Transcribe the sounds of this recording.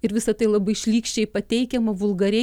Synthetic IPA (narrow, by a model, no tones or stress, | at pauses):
ɪɾʋʲɪsɐt̪ɐɪlˠɐbɐɪʃʲlʲiːkʃʲt͡ʃʲɛɪpɐt̪ʲɛɪkʲɛmɐʋʊlˠɡɐɾʲɛ